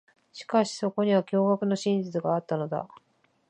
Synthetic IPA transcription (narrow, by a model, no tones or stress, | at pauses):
ɕi̥kaɕi̥so̞ko̞ɲ̟iβ̞akʲo̞ːɡakɯ̟no̞ɕĩɲ̟d͡ʑɨt͡sɨɡaːt̪ːano̞d̪a̰